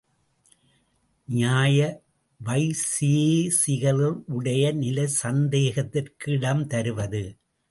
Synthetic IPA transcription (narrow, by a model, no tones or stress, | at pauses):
ɲaːjɐ | ʋɐɪsijeːsɪɣɐɭɪɭʔʊɽɐjɐnɪlɐɪsɐnd̪eːɣɐt̪ːɪrkɪɽɐmt̪ɐɾɯʋɐðɯ